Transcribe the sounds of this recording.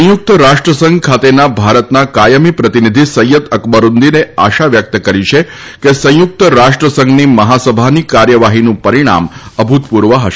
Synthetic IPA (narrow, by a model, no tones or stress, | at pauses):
ə̃juk̚t̪əɾaʂʈɾəsəŋɡkʰat̪enabʱaɾət̪nakajəmipɾət̪inid̪ʱisəjəd̪əkbəɾund̪inea̰ʃaʋjək̚t̪əkəɾiʃʰe | kesə̃juk̚t̪əɾaʂʈɾəsəŋɡniməɦasəbʱanikaɾjəʋaɦinũpəɾiɽ̃a̰məbʱut̪puɾʋəɦəʃe